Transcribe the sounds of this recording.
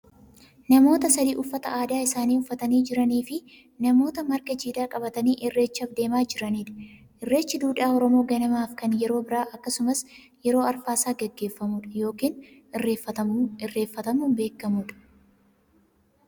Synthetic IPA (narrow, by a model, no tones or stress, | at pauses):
nɐmo̞ːt̪ɐsɐd̪ḭːʔʊfːɐt̪ɐʔaːd̪aːɪsaːniːʊfːɐt̪ɐniːd͡ʒɪɾɐniːfɪ | nɐmo̞ːt̪ɐmɐɾɡɐd͡ʒiːd̪aːkʼɐbɐt̪ɐniːʔɪrːe̞ːt͡ʃːɐfd̪e̞ːmaːd͡ʒɪɾɐniːᶑɐ̥ | ʔɪrːe̞ːt͡ʃːɪd̪uːᶑaːɔɾɔmo̞ːɡɐnɐmaːfkɐnjɛɾo̞ːbɪɾaːʔɐkːɐsʊmɐs | jɛɾo̞ːɐɾfaːsaːɡɛɡːe̞ːfːɐmʊᶑɐ̥jo̞ːkiːn | ɪrːeːfːɐɐɪrːe̞ːfːɐt̪ɐmuːmbe̞ːkːɐmʊːᶑɐ̥